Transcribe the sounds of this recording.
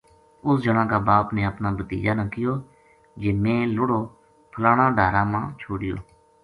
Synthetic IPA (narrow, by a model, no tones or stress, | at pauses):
ʊsd͡ʒəɳãːkaːbaːpneːəpnaːbət̪ḭːd͡ʒaːnãːkɪjoː | d͡ʒeːmẽːlʊɽoː | pʰəlaːɽãːɖʱaːɾãːmãːt͡ʃʰoːɽɪjo̰ː